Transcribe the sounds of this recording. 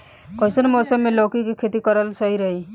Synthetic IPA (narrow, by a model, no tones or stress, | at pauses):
kɔjsɔnmɔsɔmelokikukʰet̪ikɔɾalsɔɦiɾɔɦi